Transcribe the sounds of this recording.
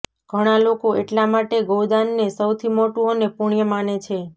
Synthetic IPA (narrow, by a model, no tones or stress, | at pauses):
ɡ̥ʱəɽ̃alokoʔeʈlamaʈeɡowd̪anːesəwt̪ʰimoʈũonepuɳ̃ijəmanet͡ʃʰe